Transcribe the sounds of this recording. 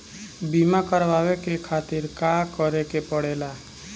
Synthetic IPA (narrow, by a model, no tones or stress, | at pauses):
biːmakəɾʋaːwekekʰaːt̪ɪɾkakəɾekepəɽeːla